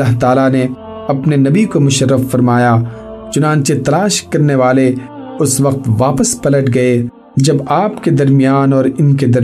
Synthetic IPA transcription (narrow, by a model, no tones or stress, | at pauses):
aːɦt̪aːlane | ɐpnenɐbikomʊʃəɾːəfːɐɾmaːja | t͡ʃʊnãːnt͡ʃet̪ɐlaːʃkɐɾneʋaːle | ʊsʋɐq̚t̪ʋaːpəspɐləʈɡɐe | d͡ʒɐbaːpked̪ɐɾmijaːnɔːɾɪnk̬ed̪ɐɾ